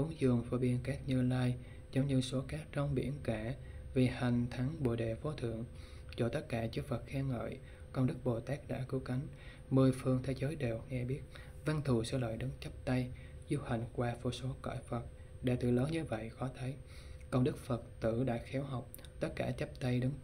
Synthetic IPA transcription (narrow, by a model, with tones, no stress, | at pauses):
ʔu˨˦ŋzɨ˨˩əŋfo˨˦ɓi˧ənkaː˦˥k̚ɲɨ˧laː˧j | zə˨˦ŋ͡mɲɨ˧so˨˦kaː˦˥k̚t͡ɕɔ˧wŋ͡mɓḭ˧˩ənkaː˧˩vi˨˩ha˨˩jŋ̟t̪ʰa˨˦ŋɓo̰˧˩ɗe˨˩fo˨˦t̪ʰɨ̰˧˨əŋ | t͡ɕɔ˧˩t̪ə˦˥t̚kaː˧˩t͡ɕɨ˦˥fə˨˩t̚xɛ˧ŋə̰ː˧˨j | kə˧wŋ͡mɗɨ˦˥k̚ɓo˨˩t̪aː˦˥k̚ɗa̰ː˧˥kɨ˨˦wka˨˦jŋ̟ | mɨ˨˧əjfɨ˧əŋt̪ʰe˨˦zəː˨˦jɗe˨˩wŋɛ˧ɓi˦˥ət̚ | va˧nt̪ʰu˨˩sɛ̰˧lə̰ː˧˨jɗɨ˨˦nt͡ɕə˦˥p̚t̪a˧jzu˧ha˨˩jŋ̟kwaː˧fo˧˩so˨˦kɔ̰˧˩jfə˨˩t̚ | ɗḛ˧˩t̪ɨ̰˧˩ləː˨˦ɲɨ˧və̰˧˨jxɔ˨˦t̪ʰə˨˦j | kə˧wŋ͡mɗɨ˦˥k̚fə˨˩t̚t̪ɨ̰˧˩˨ɗa̰ː˧˥xɛ˨˦wɦa˨˩wk͡p̚ | t̪ə˦˥t̚kaː˧˩t͡ɕə˦˥p̚t̪a˧jɗɨ˨˦ŋ